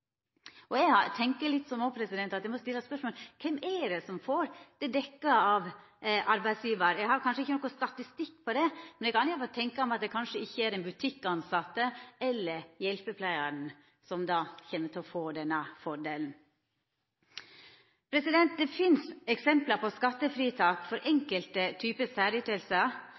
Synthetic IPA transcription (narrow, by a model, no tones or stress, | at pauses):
ʔɔɛɡhɑt̪ʰɛŋkəɭɪt̪ːsɔmoːpʰɾɛsɪd̪ɛnt̪ɑt̪jɛæɪmɔst̪ɪlːəspœʂmoːlkʰɛmʔɛɾɛsɔmfoːɾd̪̥ɛd̪ɛkːəɑʋ | ʔɑɾbæɪsjiːʋəɾjæɡhɑɾkʰɑnʂəɪçːənɔkːʊst̪ɑt̪ɪst̪ɪkːpʰɔd̪ɛmɛnɛkʰɑnɪçːfɔt̪ʰɛŋkəɔmɑt̪̚d̪ɛkʰɑnʂəɪçːəæɾɛnbʉt̪ʰɪkːɑnsɑt̪ːəɛlːəɾjɛlpəpʰlæɪəɳ̩ | sɔmd̪ɑːçɛnːət̪ʰɪlɔfoːd̪ɛnːəfɔɖeːln̩ | pʰɾɛsɪd̪ɛnt̪̚d̪ɛfɪnsɛksɛmpləɾpɔskɑt̪ːəfɾiːt̪ʰɑːkfɔɾʔɛŋkəlt̪ət̪ʰyːpəsæːɾɪt̪ɛlsə